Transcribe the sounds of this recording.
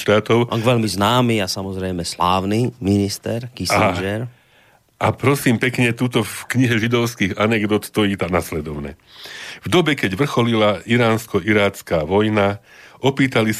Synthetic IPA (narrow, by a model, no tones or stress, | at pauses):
ʃt̪aːt̪ɔʊ̰ʋɛʎmiznaːmiasamɔzɾɛjmɛslaːʊniminist̪ɛɾkisad͡ʒɛɾ | ʔapɾɔsiːmpɛkɲɛt̪uːt̪ɔfkɲiɦɛʒid̪ɔʊskiːɣanɛɡd̪ɔt̪t̪ɔjit̪anaslɛd̪ɔʊnɛ̰ː | vd̪ɔbɛkɛɟʋr̩xɔlilaʔiɾaːnskɔʔiɾaːt͡skaːʋɔjna | ʔɔpiːt̪alis